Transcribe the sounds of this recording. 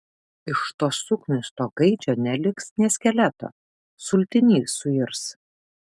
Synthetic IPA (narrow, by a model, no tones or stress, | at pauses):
ɪʃt̪oːssʊknʲɪst̪oːɡɐɪd͡ʒʲoːnʲɛlʲɪksnʲɛːsʲkʲɛlʲæt̪o̰ː | sʊlʲt̪ʲɪnʲiːsʊɪɾs